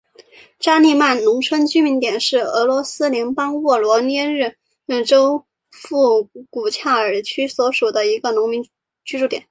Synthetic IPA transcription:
ʈ͡ʂa˥ni˥˧ma˥˩nnʊ˧˥ŋʈ͡ʂʰwə˥nt͡ɕy˥mi˧˥nt̪jɛ˨˩nʂɻ̩˥˩ɤ˧˥lwɔ˧˥sɹ̩˥ljɛ˧˥npɑ˥ŋwɔ˥˩lwɔ˧˥njɛ˥ɻɻ̩˥˩˥ | ʈ͡ʂo˥ʊ | fu˥˩ku˨˩t͡ɕʰja˥˩ə˞˨˩t͡ɕʰy˥swɔ˧˥ʂu˨˩d̪ə˦i˧˥ɡə˧nʊ˧˥ŋmi˧˥ŋ | t͡ɕy˥ʈ͡ʂu˥˩jɛ̰˨˩˦n

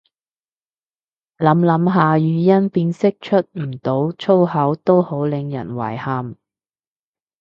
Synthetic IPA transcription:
lɐ˨˥mlɐ˨˥mɦaː˨˧jyː˨jɐ˥npiː˧nsɪ˥k̚t͡ʃʰɵ˥t̚m̩˨˩t̪o˨˥wt͡sʰo˥wɦɐ˨˥wt̪o˥who˨˥wlɪ˨ŋjɐ̰˨˩nwɐ̰ː˨˩jhaː˨˩m

